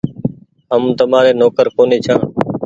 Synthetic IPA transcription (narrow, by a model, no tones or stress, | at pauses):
əmt̪əmaːɾeːnoːkəɾkoːneːt͡ʃʰãː